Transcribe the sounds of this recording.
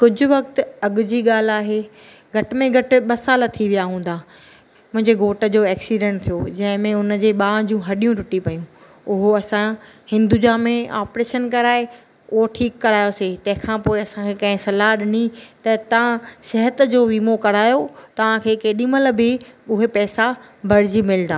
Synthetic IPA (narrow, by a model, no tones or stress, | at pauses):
kʊd͡ʑʱʊ̆ʋɐkt̪ɐɠʊd͡ʑiːɠaːl̤aːɦeː | ɡʱɐʈɪ̆mẽɡʱɐʈɪ̆ɓɐsaːlət̪ʰiʋijaɦũːnd̪aː | mʊ̃ɦɪ̃ɲd͡ʑeɡʱoːʈə̆d͡ʑoːɛːksiɖɛ̃ɳʈ̚t̪ʰijod͡ʑɐ̃ɦɪ̃mẽʊnd͡ʑeːɓãːd͡ʑũɦɐɗijũʈʊʈipɐjũ | ʊɦoɐsãhɪ̃nd̪ud͡ʑamẽaːpɾeːʃənkɐɾaːe | ʊɦoʈʰiːkːɐɾaːjoset̪ɐ̃ɦɪ̃kʰãːpoːeɐsãkʰekɐ̃ɦɪ̃sɐlaɗɪnit̪ɐt̪ɐʋãsɛɦət̪d͡ʑoːʋiːmokɐɾaːjot̪ɐʋ̤ãkʰeːkeːɗĩːməl̆bʱɪʊɦepɛːsabʱɐɽ̤ɪd͡ʑimɪlnd̪aː